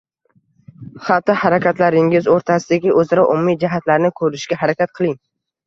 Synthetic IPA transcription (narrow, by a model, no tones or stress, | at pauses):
χat̪ːɪhaɾakʲat̪laɾɪŋɪzoɾt̪ʰasɪd̪aɡʲɪʔɵzaɾaʔʊmːid͡ʒaɦat̪laɾnɪkʰɵɾɪʃɡʲaɦaɾakʲat̪̚qʰɨlˠɪŋ